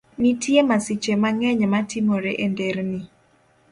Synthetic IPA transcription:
nitjemasit͡ʃemaŋɛɲɛmatimoɾeʔendeɾni

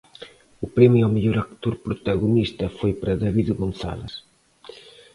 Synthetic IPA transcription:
ʊpɾɛmiawmeʎoɾakt̪oɾpɾut̪ɐɣunist̪ɐfojpɾɐðɐβiðɣonθa̰lɐ̰s

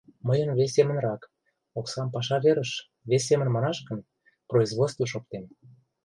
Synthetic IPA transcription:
məjənβes̬ʲːemə̆nrɑk | oksɑmpɑʃ̬ɑβeɾəʃ | βes̬ʲemə̆nmɑnɑʃkə̆n | proizβot͡sst̪voʃ̬op̚t̪em

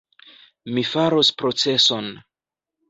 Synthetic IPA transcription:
mifaɾospɾo̞t͡se̞so̞n

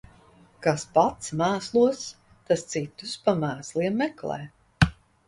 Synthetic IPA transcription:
kaspat̪smæːslˠuɔs | t̪ast̪sit̪uspamæːslˠiɛmːɛklˠɛ̰ː

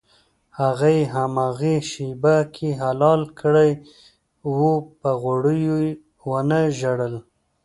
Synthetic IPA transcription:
haɣajɦamaɣeʃibakʰeɦalɑlkəɽaj | wupəɣʊɽəju | wənəʒaɽəl

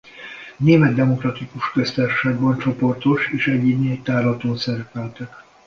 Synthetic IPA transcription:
neːmɛd̪ːɛmo̞krɒt̪ikuʃkøst̪aːrʃʃaːɡbɒnt͡ʃo̞po̞rt̪o̞ʃeːʃɛɟːibnet̪aːrlɒt̪oːnsɛɾɛpɛlt̪ɛk

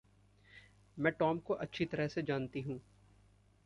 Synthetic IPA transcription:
mɛ̃ːʈɔːmkoʔɐtːʃʰit̪ɐɾəɦsed͡ʒaːnt̪iɦũː

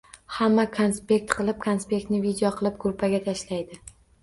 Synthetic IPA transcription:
hamːakʰonspʲe̞k̚t̪qʰɨlˠɪp̚kʰonspʲe̞k̚t̪nɪvid̪ijɒqʰɨlˠɪp̚ɡʊɾpʰaɡʲat̪ʰaʃlajd̪ɪ

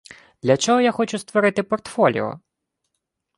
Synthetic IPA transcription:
d̪̥lʲɐt͡ʃɔɦɔjaxɔt͡ʃust̪ʋɔɾɪt̪ɪpɔrt̪fɔlʲḭɔ̰

